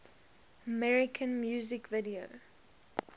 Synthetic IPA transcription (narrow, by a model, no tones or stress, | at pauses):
əmɛɹɪkʰə̃nmjuːzɪkvɪdio